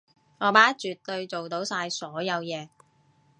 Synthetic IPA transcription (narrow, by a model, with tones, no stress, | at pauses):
ŋɔː˨˧paː˨˥t͡ʃyː˨t̚t̪ɵ˧ɥt͡so˨wt̪o˨˥wsaː˧jsɔː˨˥jɐ˨˧wjɛː˨˧